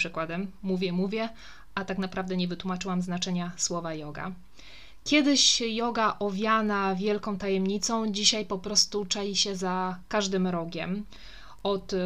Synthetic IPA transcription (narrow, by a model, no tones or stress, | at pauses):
ʂɘkwad̪ɛmːuvʲjɛmuvʲjɛ | at̪aknapɾavd̪ɛɲɛvɘt̪wumat͡ʂɘwamznat͡ʂɛɲaswɔvajɔɡa̰ | kʲjɛd̪ɘɕjɔɡaʔɔvʲjanavʲjɛlkɔ̃w̃t̪ajɛmɲit̪sɔ̃w̃d͡ʑiɕajpɔpɾɔst̪ut͡ʂajiɕɛzakaʐd̪ɘmɾɔɡʲɛm | ɔt̪